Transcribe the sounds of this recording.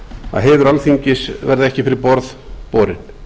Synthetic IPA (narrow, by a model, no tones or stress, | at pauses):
a̰ðɦɛːðʏɾalθiɲcɪsvɛɾðaɛhcɪfɪɾɪɾpɔɾð | poːɾɪ̰n̥